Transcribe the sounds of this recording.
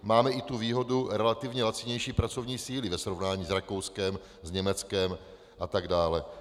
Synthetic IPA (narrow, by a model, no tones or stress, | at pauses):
maːmɛɪt̪uviːɦo̞duɾɛlat̪ɪvɲɛlat͡sɪɲɛjʃiːpɾat͡sovɲiːsiːlɪvɛsɾovnaːɲiːzɾako̞wskɛm | zɲɛmɛt͡skɛm | ʔat̪aɡdaːlɛ